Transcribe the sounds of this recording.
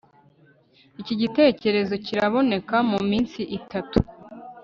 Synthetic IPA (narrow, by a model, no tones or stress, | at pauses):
iciɟite̞ːce̞ɾe̞zo̞ciɾaβo̞ne̞kamumiːnsiʔitatu̥